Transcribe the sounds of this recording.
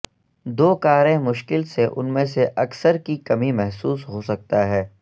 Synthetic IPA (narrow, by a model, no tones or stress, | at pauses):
d̪oːkaːɾẽmʊʃkɪlseʔʊ̰nmẽseʔɐksəɾkikɐmimɛɦsuːsɦosɐk̚t̪aɦɛː